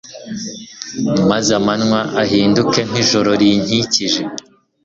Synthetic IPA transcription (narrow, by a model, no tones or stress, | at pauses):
mazamanŋwaʔaɦiːnduke̞n̥iʒo̞ɾo̞ɾiɲ̥iciʒe̞